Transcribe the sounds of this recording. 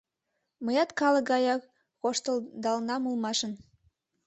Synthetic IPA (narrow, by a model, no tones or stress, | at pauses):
məjɑt̪kɑlə̆kɡɑjɑk | ɣoʃt̪əld̪ɑlnɑmulmɑʃə̆n